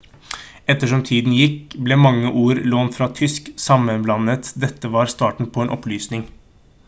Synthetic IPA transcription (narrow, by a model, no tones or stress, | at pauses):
ɛt̪ːəʂɔmt̪ʰiːd̪n̩jɪkːblɛmɑŋːəʔuːɾloːnt̪fɾɑt̪ʰʏsksɑmːənblɑnət̪d̪ɛt̪ːəʋɑɾst̪ɑːʈɳ̩pʰɔɛːnʔɔplyːsnɪŋ